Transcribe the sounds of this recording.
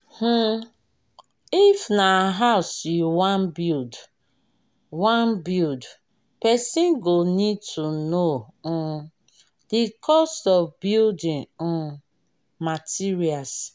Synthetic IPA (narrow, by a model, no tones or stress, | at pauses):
h̩ | ifnaɦaʊsjuwãnbild | wãnbild | pɛsĩnɡonid̚tʰunõ | dikʰɔstɔvbildĩn̩ | matʰiɹias